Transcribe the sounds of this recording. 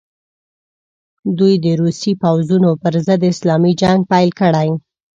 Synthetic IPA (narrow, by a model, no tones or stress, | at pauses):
d̪ujd̪əɾusipawzunopəɾzəd̪ɪslɑmid͡ʒaŋɡ̚pajlkəɽaj